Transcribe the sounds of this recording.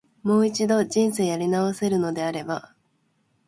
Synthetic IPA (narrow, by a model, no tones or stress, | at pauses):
mo̞ːit͡ɕid̪o̞ʑĩñseːjaɾʲinaose̞ɾɯ̟no̞d̪e̞aɾe̞ba